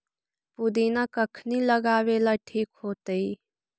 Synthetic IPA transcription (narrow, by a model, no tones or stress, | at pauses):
pud̪inakəkʰniləɡaːʋelaʈʰiːkɦoːt̪əi